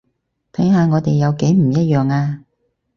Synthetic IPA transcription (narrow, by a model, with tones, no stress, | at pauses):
t̪ʰɐ˨˥jɦaː˧ŋɔː˨˧t̪e˨jɐ˨˧wke˨˥jm̩˨˩jɐ˥t̚jœː˨ŋaː˧